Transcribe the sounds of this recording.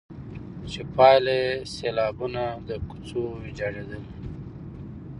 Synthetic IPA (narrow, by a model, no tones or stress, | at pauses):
t͡ʃepɑleselɑːbunad̪əku̥t͡sowid͡ʒaɾed̪əl